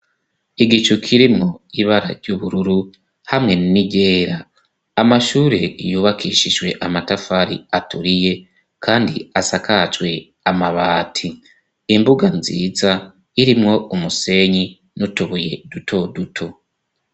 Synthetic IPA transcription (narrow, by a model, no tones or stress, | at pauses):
iɡit͡ʃukʰiɾimŋo̞iβaɾa̰ɾɟuβuɾuɾu | hamŋe̞nimiɟe̞ːɾaː | maʃuːɾe̞juːβakʰiʃiʒwe̞ʔamatafaɾiatuɾije̞ | kʰaːndiasakʰat͡ʃwe̞ | amaβaːtʰiː | mbuɡanzḭːza | iɾimŋo̞umuse̞ɲi | nutuβuje̞dutʰo̞dutʰo̞